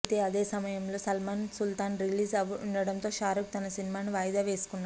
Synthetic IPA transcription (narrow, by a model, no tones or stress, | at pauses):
t̪e̞ːɐd̪e̞ːsɐmɐjɐmlo̞ːsɐlmaːnsult̪aːnɾiliːsɐʋuɳɖɐɽɐnt̪o̞ːʃaːɾuk̚t̪ɐnɐsinimaːnuʋaːjd̪aːʋe̞ːsu̥kunː